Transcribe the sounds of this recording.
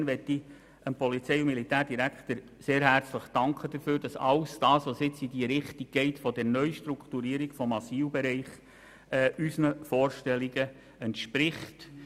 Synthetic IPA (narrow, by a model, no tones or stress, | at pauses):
nʋɛtːi | ənpɔlit͡sɛɪʊmilitæːɾd̥iɾækχt̪əɾ | seːɾɦært͡sləχd̥ɑŋkʰəd̥əɾfyːɾd̥ɑsɑlsd̥ɑːsʋosɪt͡sidiəɾɪχtiɡ̚ɡ̥ɛɪtfɔdɛɾnœʏʃtɾukt̪uɾiːəɾiɡ̥fɔmɑsiːlbɛɾɛɪχ | ɛːysnəfɔːɾʃtɛliɡə | ɛntʃpɾɪχt